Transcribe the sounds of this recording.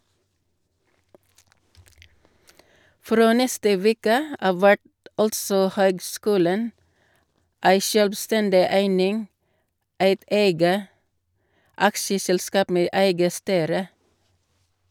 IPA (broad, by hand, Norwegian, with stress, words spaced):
ˈfɾoː ˈnɛstə ˈʋeːkə ˈɑʋ ˈʋæʈ ˈɑltsɔ ˈhøːɡˌskʉːlən ˈæɪ ʃœlbˈstɛndɪ ˈæɪnɪŋ ˈæɪt ˈeɪɡə ˈɑkʃəsɛlˌskɑːp ˈmeː ˈæɪɡə ˈstyːɾə